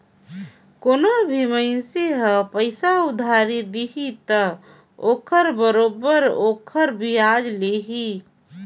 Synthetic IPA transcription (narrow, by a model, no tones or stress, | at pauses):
koːnobʱiməɪnseɦə̃pəɪsaʊd̪ʱaɾid̪iɦit̪ə | oːkʰəɾbəɾoːbəɾoːkʰəɾbʱiaːd͡ʒleːɦi